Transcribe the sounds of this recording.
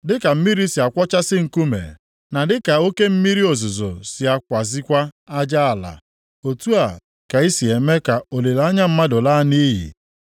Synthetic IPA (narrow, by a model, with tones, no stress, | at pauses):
dɪ˦ka˨m̩˦mi˦ɾi˦si˨a˨kʷɔ˦t͡ʃa˦sɪ˦ŋ̩˨ku˦mḛ˨ | na˨dɪ˦ka˨o˦ke˦m̩˦mi˦ɾi˦o˨zʊ˨zo̰˨si˨a˨kʷa˨zi˦kʷa˦a˦d͡ʒa˦a˨la̰˨ | o˨tu˦a˨ | ka˨i˦si˨e˨me˦ka˨o˨le˨la˦ɲa˦m̩˦ma˦dʊ˨la˦niː˦ɦḭ˨